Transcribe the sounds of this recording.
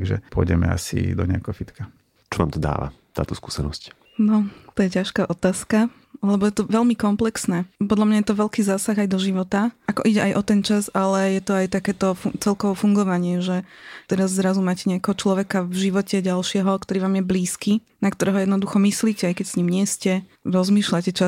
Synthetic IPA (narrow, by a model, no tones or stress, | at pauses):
ɡʒɛ̰pʊɔ̰jɟɛ̰mɛ̰a̰sḭd̪ɔ̰ɲɪa̰kɛɦɔfit̪ka | t͡ʃɔna̰ːmt̪ɔd̪a̰ːʋa̰t̪a̰ːt̪ɔskuːsɛnɔ̰sc | nɔt̪ɔjɛcaʃkaːʔɔt̪aːska | llɛbɔjɛt̪ɔʋɛlmikɔmplɛksnɛːpɔd̪lʎamɲajɛt̪ɔʋɛlkiːzaːsaɣajd̪ɔʒiʋɔt̪aakɔʔiɟɛʔajʔɔt̪ɛnt͡ʃazalɛjɛt̪ɔajt̪akɛːt̪ɔfut͡sɛlkɔʋɔfuŋɡɔʋaɲɪɛʒɛt̪ɛɾazzɾazumaːcɛɲɪakɛɦɔt͡ʃlɔʋɛkavʒiʋɔcɛɟalʃɪɛɦɔkt̪ɔɾiːʋaːmjɛbliːskiːnak̚t̪ɔɾɛːɦɔjɛd̪nɔd̪uxɔmisliːcɛajkɛcsɲiːmɲɪɛscɛ | ɾɔzmiːʃlacɛt͡ʃa